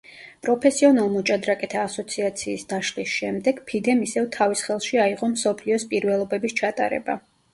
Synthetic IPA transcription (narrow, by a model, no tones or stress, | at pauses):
pʼɾɔpʰɛsiɔnalˠmɔt͡ʃʼad̪ɾakʼɛt̪ʰaːsɔt̪sʰiat̪sʰiːsd̪̥aʃlisʃɛmd̪ɛɡ̥pʰid̪ɛmisɛvt̪ʰavisχɛlˠʃiaiʁɔmsɔpʰliɔspʼiɾvɛlˠɔbɛbist͡ʃʰat̪ʼa̰ɾɛ̰ba̰